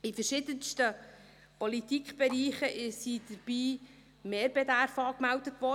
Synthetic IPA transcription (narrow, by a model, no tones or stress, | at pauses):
ifəɾʃɪːdənstə | pɔlit̪ikχb̥ɛɾiːχəʔɪsid̥əɾb̥iː | meːɾbɛd̪æɾfɑːkmældətʋɔ